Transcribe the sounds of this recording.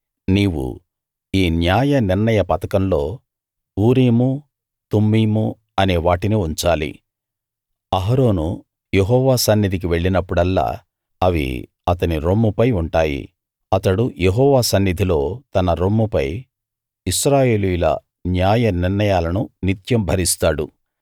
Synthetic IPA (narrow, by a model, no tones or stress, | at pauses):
niːwṵ | iːnjaːjɐniɾnɐjɐpɐt̪ɐkɐmlo̞ː | uːɾiːmu | t̪umːiːmu | ɐne̞ːʋaːʈiniuɲt͡ʃaːlḭ | ɐɦɐɾo̞ːnu | jeɦɔːʋaːsɐnːid̪ʱik̬iʋe̞ɭːinɐpːuɽɐlːa̰ː | ɐʋḭ | ɐt̪ɐniɾomːupɐjuɳʈaːjḭ | ɐt̪ɐɽujeɦɔːʋaːsɐnːid̪ʱilo̞ːt̪ɐnɐɾomːupɐj | iʃɾaːje̞ːlujulɐ̰ | njaːjɐniɾnɐjaːlɐnunit̪jɐmbʱɐɾist̪aːɽṵ